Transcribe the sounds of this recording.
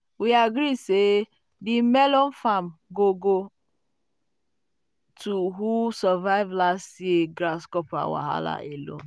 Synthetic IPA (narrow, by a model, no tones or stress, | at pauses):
wiaɡɾiseː | dɪmɛlɔn̩fam̩ɡoɡo | tʰuɦusɔvaɪvlastjeɡɾaskɔpa̰wa̰ɦa̰la̰ʔelo̰n